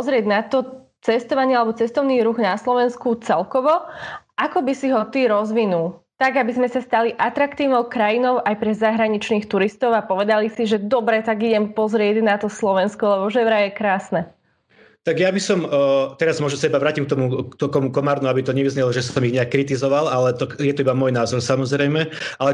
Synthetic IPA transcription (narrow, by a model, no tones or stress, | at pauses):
pɔzɾɪɛɟnat̪ɔ | t͡sɛst̪ɔʋaɲɪalɛbɔt͡sɛst̪ɔʊniːɾuɣnaslɔʋɛnskut͡sɛlkɔʋɔʔakɔbisiɦɔt̪iɾɔzʋinulˠt̪aɡabizmɛsast̪aliʔat̪ɾakt̪iːʊnɔʊkɾajinɔʊʔajpɾɛzaɦɾaɲit͡ʃniːxt̪uɾist̪ɔʊapɔʋɛd̪alisiʒɛd̪ɔbɾɛt̪aɡiɟɛmpɔzɾɪɛɟnat̪ɔslɔʋɛnskɔlɛbɔʒɛʋɾajɛkɾaːsnɛ | t̪aɡjabisɔmt̪ɛɾazmʊɔʒnɔsaibaʋɾaːcimk̚t̪ɔmut̪ɔkɔmukɔmaːɾnuabit̪ɔɲɛʋizɲɛlɔʒɛsɔmiɣɲɛakːɾit̪izɔʋalalɛt̪ɔjɛt̪ɔibamɔjnaːzɔɾsamɔzɾɛjmɛalɛ